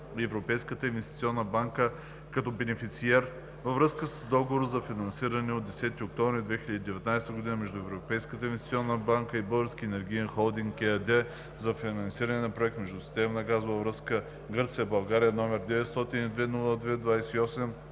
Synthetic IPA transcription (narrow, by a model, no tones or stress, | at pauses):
ɛvɾopɛjskət̪əĩnvɛst̪i̥t̪siɔnːəbaŋkə | kɐt̪ɔbɛnɛfit̪siɛɾ | vɐvɾɤskəsəzd̪ɔɡovoɾəzɐfinɐnsiɾɐnɛod̪ɛsɛt̪iok̚t̪ɔ̃vɾid̪vɛxiləd̪id̪ɛvɛt̪najst̪əɡod̪inəmɛʒd̪ʊɛvɾopɛjskət̪əinvɛst̪i̥t̪sʲiɔnːəbaŋkəibɤlˠɡəɾskʲiɛnɛɾɡʲiɛnxolˠd̪iŋɡɛd̪ɛ | zɐfinɐnsiɾɐnɛnɐpɾoɛk̚t̪mɛʒd̪usi̥t̪ɛmnɐɡazʊvɐvɾəskə | ɡɤɾt̪sijəbɐlˠɡaɾiənɔmɛɾd̪ɛvɛt̪st̪ɔt̪inid̪vɛnulˠəd̪vɛd̪vajsɛiɔsɛm